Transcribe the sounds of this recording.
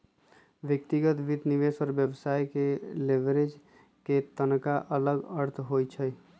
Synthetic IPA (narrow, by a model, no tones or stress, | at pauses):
ʋjək̚t̪iɡət̪ʋid̪niʋeːswəɾbjəbsaːjkeleʋɾed͡ʒ | ket̪ənkaʔələɡəɾt̪ʰɦot͡ʃʰə